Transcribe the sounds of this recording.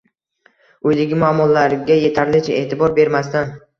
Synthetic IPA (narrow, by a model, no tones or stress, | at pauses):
ɵjd̪ɪɡʲɪmʊamːɒlaɾɡʲaje̞t̪ʰaɾlɪt͡ʃʰae̞ːt̪ʰɪbɒɾbe̞ɾmast̪an